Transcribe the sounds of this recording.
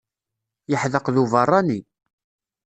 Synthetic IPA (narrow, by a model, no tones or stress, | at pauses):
jəħðəqðuvərˤːɑni